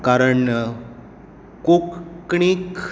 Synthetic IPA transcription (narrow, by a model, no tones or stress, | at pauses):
kaɾəɳːə | kokkɳikʰ